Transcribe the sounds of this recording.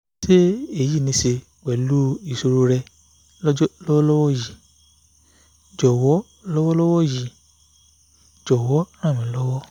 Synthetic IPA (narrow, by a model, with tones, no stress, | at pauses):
se˦e˦˨ji˦˨nĩ˧se˧ | wɛ˨lu˦i˦˨so˧ɾo˧ɾɛ˧˦ | lɔ˦wɔ˦lɔ˦wɔ˦ji˨ | d͡ʒɔ˨wɔ˨˦ | lɔ˦wɔ˦lɔ˦wɔ˦ji˨ | d͡ʒɔ˨wɔ˨˦ɾ̃ã˦˨mĩ˨˦lɔ˦wɔ˦